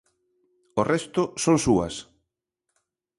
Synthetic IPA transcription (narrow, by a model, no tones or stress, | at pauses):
orɛst̪ʊsoŋsuɐ̰s